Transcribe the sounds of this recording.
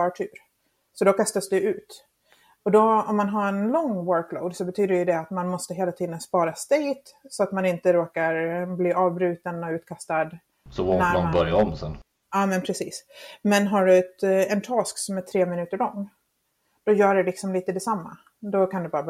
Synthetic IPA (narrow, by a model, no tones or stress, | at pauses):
ɑːʈʰʉːɾ | sɔd̪ɔkast̪asd̪ɵʉ̟ːt̪ | ɔd̪ɔɔmːanɦaɾɛnlɔŋːwœɾkloʊd̪sɔbɛt̪ʰyːd̪əjɵd̪ɛat̪manmɔst̪əɦeːlat̪ʰiːd̪ənspɑːɾast̪ɛɪt̪sɔat̪manɪnt̪əɾoːkaɾbliːʔɑːvbɾʉ̟ːt̪ənɔʉ̟ːt̪kʰast̪ad̪ | sɔvonæanbœɾjaɔmsɛ̰n | ɑːmɛnpʰɾɛsiːsmɛnɦaɖɵɛt̪ɛnt̪ʰɑːsksɔmæʈʰɾeːmɪnʉ̟ːt̪əɾɭɔŋː | d̪̥ɔjœːɖɛlɪksɔmliːt̪əd̪ɛsamːa̰ | d̪ɔkʰand̪ɵbɑːɾa